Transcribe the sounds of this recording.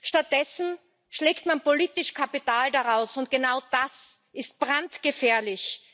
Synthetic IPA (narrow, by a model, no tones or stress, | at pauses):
ʃtat̚d̥ɛsn̩ | ʃleːktmanpoliːtɪʃkʰapitaːldaʁaʊsʊnt̚ɡ̥ənaʊd̥asʔɪst̚b̥ʁantɡ̥əfɛːɐlɪç